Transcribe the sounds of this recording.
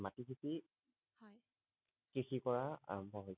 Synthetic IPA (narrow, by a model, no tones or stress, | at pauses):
matikʰiti | hj | kɹixikɔɹabɔɦoj